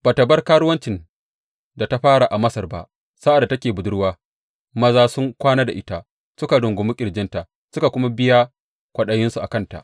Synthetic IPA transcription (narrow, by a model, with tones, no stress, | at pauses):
b̥aː˨ta˨bɐ˦rkaː˦ɽʊ˦wɐ˦nt͡ʃɪ˨n | da˨ta˦ɸaː˦ɽa˨ʔa˨mɐ˦sɐ˨rba̰˦ʔ | sa˦ʔa˨da˨tɐ˦kʲeː˨bʊ˨dʊ˦ɽwaː˦ | mɐ˦zaː˦sʊ˦ŋkʷaː˦naː˦da˨ʔɪ˦ta˦ | sʊ˦ka˨ɽʊ˨ŋɡʷʊ˨mʊ˦kʲʼɪ˨ɽd͡ʒɪ˦nta˨ | sʊ˦ka˨kʷʊ˦ma˦bɪ˦jaː˦ | kʷɐ˨ɗɐ˦jɪ˦nsu˨ʔa̰˨kɐ˦˨nta̰˨ʔ